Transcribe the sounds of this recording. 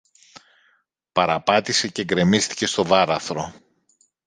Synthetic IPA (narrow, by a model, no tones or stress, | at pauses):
pɐɾɐpɐt̪ise̞ceɡɾe̞mist̪i̥ce̞st̪o̞vɐɾɐθɾo̞